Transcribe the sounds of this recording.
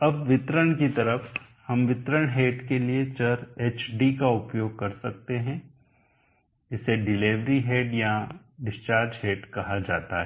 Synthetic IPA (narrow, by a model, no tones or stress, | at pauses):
ɐbʋɪt̪ɾəɽ̃kit̪ɐɾəf | hɐmʋɪt̪ɾəɳ̃ɦeːʈkeliet͡ʃɐɾeːt͡ʃɖikaʊpjoːɡ̚kɐɾsɐk̚t̪eɦɛ̃ | ɪseɖɪleːʋɾiɦeːɖja | ɖɪst͡ʃaːɾd͡ʒɦeːɖkɐɦad͡ʒaːt̪a̰ɦɛ